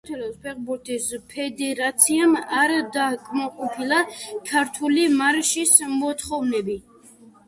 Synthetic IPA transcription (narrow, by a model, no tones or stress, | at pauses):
t̪ʰɛlɔspʰɛχbuɾt̪ʰispʰɛd̪ɛɾat̪sʰiamaɾd̪akʰʼmaqʼɔpʰilˠakʰaɾt̪ʰulimaɾʃismɔt̪ʰχɔvnɛbi